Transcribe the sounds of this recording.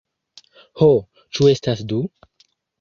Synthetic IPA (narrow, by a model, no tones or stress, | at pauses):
ho | t͡ʃuestasdu